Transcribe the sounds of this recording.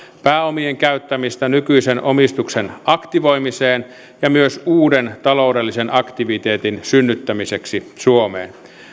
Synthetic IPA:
pæːomieŋkæyt̪ːæmist̪ænykyisenomist̪uksenʔɑkt̪iʋoimiseːn | jɑmyøsuːdent̪ɑlo̞udelːisenʔɑkt̪iʋit̪eːt̪insynːyt̪ːæmiseksisuomḛːn

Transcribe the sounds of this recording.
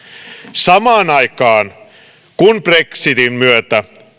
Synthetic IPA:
sɑmɑːnɑikɑːn | kunpreksit̪immyøt̪æ

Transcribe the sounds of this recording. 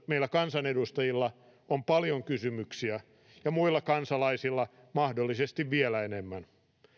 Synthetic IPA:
meilːˑækɑnsɑnedust̪ɑjilːɑ | ompɑljoŋkysymyksiæ | jɑmuilːɑkɑnsɑlɑisilːɑ | mɑhdolːisest̪iʋʋielæenemːæn

